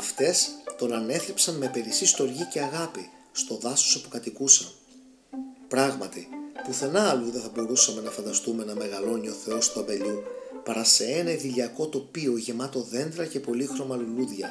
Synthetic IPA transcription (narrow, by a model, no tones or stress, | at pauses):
ɐft̪e̞st̪o̞nɐne̞θɾepsɐnme̞pe̞ɾisist̪o̞ɾʝice̞ɐɣɐpi | st̪o̞ðɐso̥sopu̥kɐt̪ikusɐn | pɾɐɣmɐt̪ipuθe̞nɐːluðe̞θɐbo̞ɾusɐme̞nɐfɐnd̪ɐst̪ume̞nɐme̞ɣɐlo̞nio̞θe̞o̞st̪oɐmbe̞ʎupɐɾɐse̞enɐiðiʎɐko̞t̪o̞pio̞ʝe̞mɐt̪o̞ðe̞nd̪ɾɐce̞po̞lixɾo̞mɐluluðʝɐ